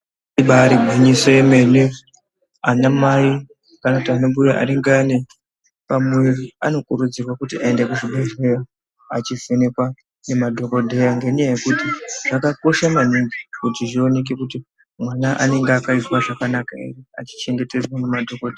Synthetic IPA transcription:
iɓaɾiɡʱaɲisoeme̞ne | anamai | kanakutianoɓujaʔa̰ɾiŋɡane | pamweriano̞kuɾud͡zirwakutiaendekuʐiɓʱeʒe̞ro | at͡ʃivenekwa | ne̞madʱo̞ko̞dʱejaŋɡe̞ɲajaje̞kutiʐ̥akako̞ʃamaniŋɡikutiʐio̞ne̞k̬ekuti | mwanaʔa̰ne̞ŋɡeakaizwaʐakanakaḭria̰t͡ʃi̥t͡ʃe̞ŋɡe̞te̞zwamumadʱo̞kodʱea

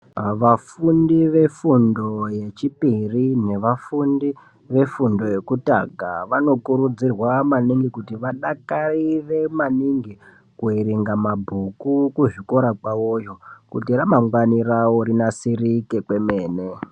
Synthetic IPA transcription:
ʋafundiʋe̞fundo̞je̞t͡ʃipirine̞ʋafundi | ʋe̞fundo̞je̞kuta̰ɡʱaʋano̞kuɾud͡zirwamaniŋɡikutiʋaɗakaiʋe̞maniŋɡi | kuiriŋɡamabʱukukuʐiko̞ɾakwaojo̞kṵtiramaŋɡwanirawoɾinasirikekwe̞meːne

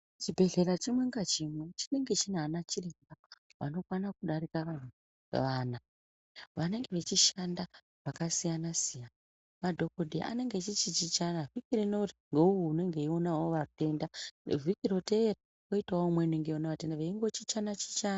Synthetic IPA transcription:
t͡ʃibʱe̞ɮe̞ɾat͡ʃimwe̞ŋɡat͡ʃimwe̞t͡ʃine̞ŋɡe̞t͡ʃinanat͡ʃireŋɡaʋa̰no̞kwanakuɗaɾikaʋan̤ṵ | ʋaːna | ʋane̞ŋɡe̞ʋe̞t͡ʃiʃanda | ʋakasijanasijana | madʱo̞kodeʔa̰ne̞ŋɡe̞t͡ʃit͡ʃit͡ʃit͡ʃanavikirinoriŋɡeuwuune̞ŋɡe̞io̞nawoʋate̞nda̰vʱikiɾo̞tera | koitaomweneŋɡeonaʋatendaʋeiŋɡo̞t͡ʃit͡ʃanat͡ʃi̥t͡ʃana

